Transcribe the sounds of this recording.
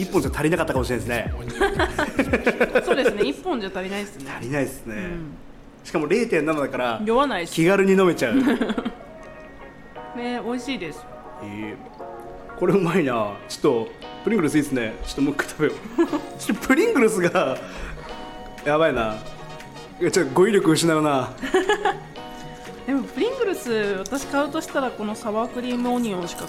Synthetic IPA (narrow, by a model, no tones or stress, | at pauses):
ipːõɲd͡ʑat̪ʰaɾʲinakat̪ːakamɕiɾenesɨne | soːd̪esɨneipːõ̞ɲd͡ʑat̪aɾʲinaisneaɾʲinaisɨne̞ | ɕi̥kamo̞ɾe̞ːt̪ẽ̞nːamad̪akaɾajoβanaikʲiɡaɾɯɲ̟ino̞me̞t͡ɕaɯ̟ | neo̞iɕiːd̪esɨ̥ | e | ko̞ɾeɯmainat͡ɕi̥t̪ːo̞pɯ̟ɾʲĩŋɡɯɾɯs̬ɨiːd̪sɨnet͡ɕi̥t̪ːomokːɯ̥t̪ʰabe̞ot͡ɕi̥t̪ːopɯ̟ɾʲĩŋɡɯ̟ɾɯsɨɡa | jaβaina | at͡ɕot̪ːoɡo̞iɾʲo̞kɯɯ̟ɕinajona | d̪e̞mo̞pɯ̟ɾʲĩŋɡɯ̟ɾɯ̟sɨβat̪aɕi̥kaɯ̃t̪o̞ɕi̥t̪aɾako̞no̞saβaːkɯ̟ɾʲiːmɯ̟oɲ̟ĩõɕi̥ka